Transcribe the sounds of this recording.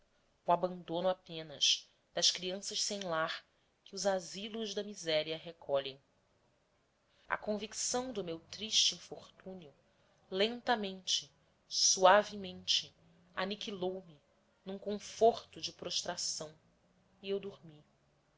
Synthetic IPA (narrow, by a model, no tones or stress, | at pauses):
uabɐ̃nd̪õnʊapẽnɐʃ | d̪̥ɐʃkɾiɐ̃sɐʃsẽj̃laɾ | kɪʊzazilʊʒd̪ɐmizɛɾiɐɦekʰɔʎẽj̃ | ɐ̰kõviksɐ̃w̃d̪ʊmewt̪ɾiʃt͡ʃɪĩfoɾt̪ũniʊ | lẽnt̪ɐmẽnt͡ʃɪ̥ | suavimẽnt͡ʃɪ | anikilowmɪ | nũŋkõfoɾt̪ʊd͡ʒɪpɾoʃt̪ɾasɐ̃w̃ | iewd̪uɾmi